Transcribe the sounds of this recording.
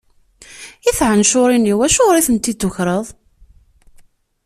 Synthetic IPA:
iθʕənʃʊɾˤiniwæʃʊʁɾiθənt̪id̪ʊçɾˤəðˤ

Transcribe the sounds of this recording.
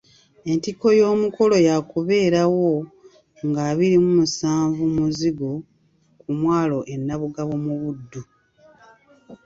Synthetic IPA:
e̞ntiko̞jo̞ːmuko̞lo̞jakuβe̞ːɾawo̞ | ŋɡaːβiɾimumusaːɱvumuziɡo̞ | kumwaːlo̞ʔe̞nːaβuɡaβomuβudːu

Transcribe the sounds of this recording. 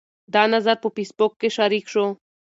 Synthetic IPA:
d̪anazaɾpopispokːeʃaɾikʃo

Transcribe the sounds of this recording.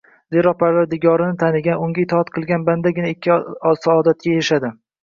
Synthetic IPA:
d̪eɾɒq̚pʰaɾvaɾd̪ɪɡɒɾɪnɪt̪ʰanɪɡʲanʊŋɡʲaɪt̪ʰɒat̪qʰɨlˠɡʲanband̪aɡʲɪnaɪkʲːɪsaːd̪at̪̚kʲajʃad̪ɪ

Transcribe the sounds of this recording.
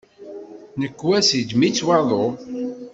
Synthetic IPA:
nəkːwæsid͡ʒmit͡sːwɑðˤo

